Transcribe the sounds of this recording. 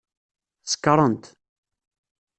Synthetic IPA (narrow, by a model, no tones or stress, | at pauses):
sə̥kːəɾˤənt̪